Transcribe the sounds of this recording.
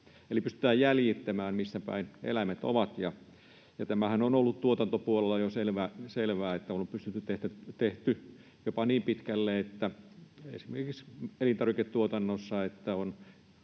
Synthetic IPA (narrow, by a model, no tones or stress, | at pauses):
elipyst̪y̥t̪æːjjæljit̪ːæmæːmmist̪æpæ̰inḛlæmet̪o̰ʋɑt̪jɑ | jɑt̪æmæhænonolːut̪t̪uot̪ɑnt̪opuolelːɑjoselʋæːselʋæːet̪ːæoompyst̪yt̪ːyt̪eht̪æt̪eht̪y | jopɑniːmpit̪kælːeet̪ːæḛsimerkikselint̪ɑrʋiket̪t̪uot̪ɑnːosːɑet̪ːæon